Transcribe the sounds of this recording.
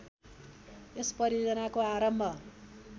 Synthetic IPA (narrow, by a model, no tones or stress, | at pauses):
esprʌɾiod͡zʌnakoaɾʌmbʱʌ